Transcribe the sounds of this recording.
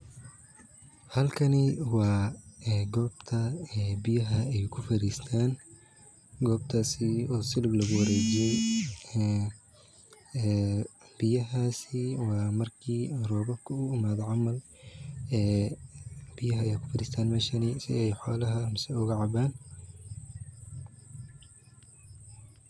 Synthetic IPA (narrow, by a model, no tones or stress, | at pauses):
hɐlkʰɐnɪwɑːɛːɡɔːb̥t̪ʰɐɛːbɪjɐɦɐɛjkʰʊfɐɾiːst̪ʰaːn | ɡɔːb̚t̪ʰaːsɪɔːsɪlɐɡlɐɣʊwɐɾɛːd͡ʒɪjɛj | b̥ɪjɐɦaːsɪwɑːmɐrkʰiːrɔːbɐkʰʊʊʊmaːd̪ʕɑmɐl | ɛː | b̥ɪjɐɦɐjaːkʰʊ̥fɐɾiːst̪ʰaːnmɛːʃɐnisɪ̰ɛjħɔːlɐɦɐmsɛʊɣɐʕɑbaːn